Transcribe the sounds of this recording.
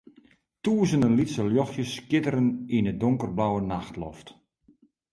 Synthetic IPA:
tuːəzənənlitsəljɔxjəskɪtəɾəninədʊŋkərblawənaxtlɔ̰ft

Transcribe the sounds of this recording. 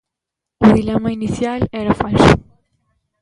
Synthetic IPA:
uðilɛmɐinisjalɛɾɐfaʎʃṵ

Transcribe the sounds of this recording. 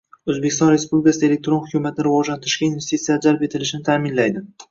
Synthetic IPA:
ozbekʲʰɪst̪ɒnɾe̞spublʲɪkasɪelek̚ʲt̪ɾo̞nhʊkʲumat̪ɪnɪɾɪvɒd͡ʒlant̪ʰɪɾɪʃkʲainve̞st̪it̪sijad͡ʒalpe̞t̪ʰɪlɪʃɪnɪt̪ʰamɪnlajd̪ɪ

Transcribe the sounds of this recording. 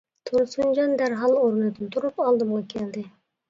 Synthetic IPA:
t̪ʰuɾsund͡ʒɑnd̪æɾɦɑlˠoɾnɨd̪ɪt̪ʰuɾupɑlˠd̪ɨmʁɑkʲʰeld̪ɪ

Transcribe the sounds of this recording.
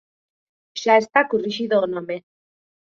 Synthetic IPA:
ʃaest̪akuriʃiðonome

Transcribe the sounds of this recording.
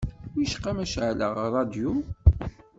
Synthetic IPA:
jəʃqːɑmæʃʕlə̰ʁrˤɑd̪ju

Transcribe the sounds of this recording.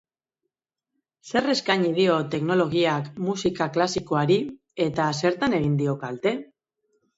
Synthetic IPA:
se̞re̞skaɲið̞io̞t̪e̞kno̞lo̞ɣ̞iakmusikaklasiko̞aɾi | e̞t̪ase̞ɾt̪ane̞ɣ̞ind̪io̞kalt̪e̞

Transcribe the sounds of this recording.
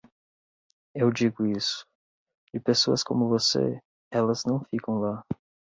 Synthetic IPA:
ewd͡ʒiɡʊisʊ̥ | d͡ʒɪpesoɐskõmʊvosḛ | ɛlɐznɐ̃w̃fikɐ̃w̃la

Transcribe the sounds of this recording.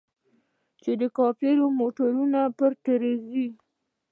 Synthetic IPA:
t͡ʃed̪əkɑfeɾomoʈaɾunapəɾt̪aɾizi

